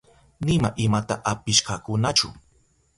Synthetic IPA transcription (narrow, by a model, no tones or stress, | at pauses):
nɪmaʔɪmat̪a̰ʔapɪʃkakʊnat͡ʃʊ̰